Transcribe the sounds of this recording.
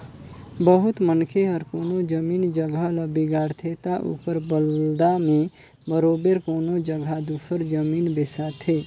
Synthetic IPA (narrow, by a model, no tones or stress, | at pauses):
bəɦʊt̪mənkʰeɦəɾkoːnod͡ʒəmiːnd͡ʒəɡʱələbiɡaːɾt̪ʰet̪aʔṵpəɾbəld̪amẽ | bəɾobeɾkoːnod͡ʒəɡʱad̪uːsəɾd͡ʒəmiːnbesat̪ʰe